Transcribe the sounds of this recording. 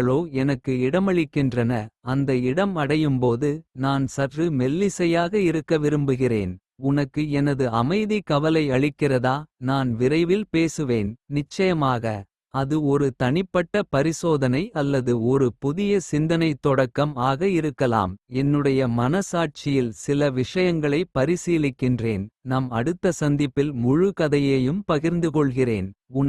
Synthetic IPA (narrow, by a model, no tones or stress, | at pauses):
ɐɭoːɛnɐkːɯɪɽɐmɐɭɪkːɪndrɐnɐɐnd̪ɐɪɽɐmɐɽɐjɯmpoːðɯnaːnsɐrrɯmɛlːɪsɐjaːɣɐɪɾɯkːɐʋɪɾɯmbɯɣɪrḛːn | ʊnɐkːɯɛnɐðɯɐmɐɪðikɐʋɐlɐɪɐɭɪkːɪrɐðaːnaːnʋɪɾɐɪʋɪlpeːsɯʋeːnnɪt͡ʃːɐjɐmaːɣɐ | ɐðɯɔɾɯt̪ɐɳɪpːɐʈːɐpɐɾɪsoːðɐnɐɪɐlːɐðɯɔɾɯpʊðɪjɐsɪnd̪ɐnɐɪt̪ːɔɽɐkːɐmaːɣɐɪɾɯkːɐla̰ːmɛnːɯɽɐjɐmɐnɐsaːʈ̚t͡ʃɪjɪlsɪlɐʋɪʂɐjɐŋɡɐɭɐɪpɐɾɪsiːlɪkːɪndreːnnɐmɐɽɯt̪ːɐsɐnd̪ɪpːɪlmʊɻɯkɐðɐjeːjɯmpɐɣɪɾnd̪ɯkɔɭɣɪreːnʊ